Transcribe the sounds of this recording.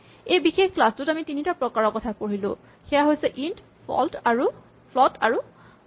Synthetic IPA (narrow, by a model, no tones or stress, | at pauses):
ejbixexklastʊtamitinitapɹɔkaɹɔkɔtʰapoɹilʊ̰̃ | xɛjaɦojsɛʔint | pɔ̰ltaɹu | pʰlɔtaɹu